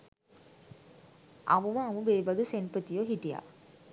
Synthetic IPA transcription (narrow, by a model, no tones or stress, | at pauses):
ʔa̰muməamubeːʋɐd̪usenpət̪ijoɦiʈija̰